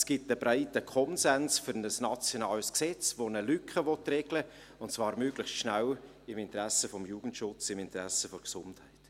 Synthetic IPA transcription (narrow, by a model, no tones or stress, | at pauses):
sɡ̥ɪtəbɾaɪtəkʰɔnzɛnsfʏɾnəsnɑt͡sjɔnɑːlsksɛt͡svonəlykχəvɔtrɛɡlə | ʊntt͡sv̥ɑːɾmøːɡ̥lɪχstʃnæl | ɪmɪntɾæsəfɔmjuːɡ̥ən̩tʃʊt͡sɪmɪntɾæsəfɔɾksʊnthɛɪt